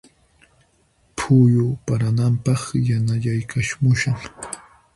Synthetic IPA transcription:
pʰʊjʊpaɾanampɑχjanaʎajkʰaʃmʊʃaχ

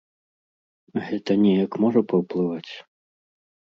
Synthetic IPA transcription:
ɣɛt̪ɐnʲɛjɐkmɔʐɐpɐwplˠɨvat͡sʲ

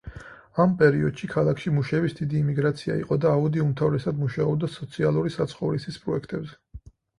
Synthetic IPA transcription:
ampʼɛɾiɔd̪̥ʃikʰalˠakʰʃimuʃɛvisd̪id̪iːmiɡɾat̪sʰia̰ḭqʼɔd̪aːud̪iumt̪ʰavɾɛsad̪muʃaɔbd̪asɔt̪sʰialˠuɾisat̪sʰχɔvɾisispʼɾɔɛkʰt̪ʼɛbzɛ

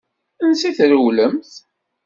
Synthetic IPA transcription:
ənsiθɾuwləmθ

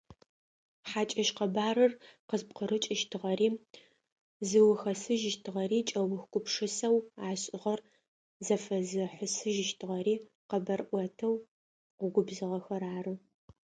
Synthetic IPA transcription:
ħaːt͡ʃʼɐʃqɐbaːɾɨrqəzp̚qəɾɨt͡ʃʼɪʃtʰɨʁɐriː | zɨwʊxɐsɨʒɪʃtʰɨʁɐɾiːt͡ʃʼɐwʊxɡʷʼʊpʂɨsɐwaːɕʼɪʁɐr | zɐfɐzɨħʷʊsɨʒɪʃtʰɨʁɐɾiː | qɐbɐrʔʷɐtʰɐw | qʷʊɡʷʊbzɨʁɐxɐɾaːrɨ

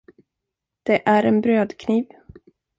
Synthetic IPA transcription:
d̪̥ɛʔæɾɛnbɾøːd̪kʰniːv

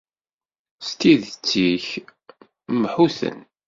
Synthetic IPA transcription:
st̪iðət͡sːiç | mħuθə̰n

